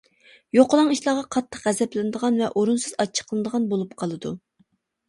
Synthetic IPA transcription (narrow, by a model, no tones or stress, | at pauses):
joqəlˠɑŋiʃlˠɑʁɑqʰɑt̪ʰːəχqʁɛzɛplɪnɨd̪əʁɑnvɛʔoɾunsɨzɑt͡ʃʰːə̥qlˠɨnɨd̪əʁɑnbolˠup̚qʰɑlˠɨd̪ṵ